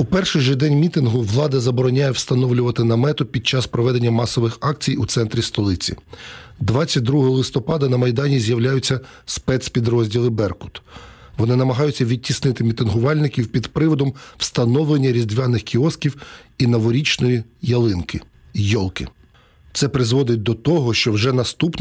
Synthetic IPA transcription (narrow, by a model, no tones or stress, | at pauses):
upɛrʃɪjʒɪd̪ɛnʲmʲit̪ɪnɦʊʋlˠɑd̪ɐzɐbɔɾɔnʲajɛwst̪ɐnɔʋlʲʊʋɐt̪ɪnɐmɛt̪ɔpʲid̪̚t͡ʃɑspɾɔʋɛd̪enʲːɐmɑsɔʋɪxɑk̚t͡sʲijut̪sɛnt̪ɾʲist̪ɔlˠɪt͡sʲḭd̪ʋɑt͡sʲːɐt̚ʲd̪ɾuɦɔlˠɪst̪ɔpɑd̪ɐnɐmɐjd̪ɑnʲizʲjɐwlʲajʊt͡sʲːɐ | spɛt̪spʲid̪ɾɔzʲdʲilˠɪbɛrkʊ̥t̪ | ʋɔnɪnɐmɐɦɑjʊt͡sʲːɐʋʲid̚ʲtʲːisnɪt̪ɪmʲit̪ɪnɦʊʋɑlʲnɪkʲiwpʲid̪pɾɪʋɔd̪ɔmw̥st̪ɐnɔwlˠenʲːɐɾʲizd̪ʋʲɑnɪxkʲiɔskʲiwinɐʋɔɾʲit͡ʃnɔjijɐlˠɪnkɪ | jɔlˠkɪ | t̪sɛpɾɪzʋɔd̪ɪt̚ʲd̪ɔt̪ɔɦɔʃt͡ʃɔwʒɛnɐst̪upn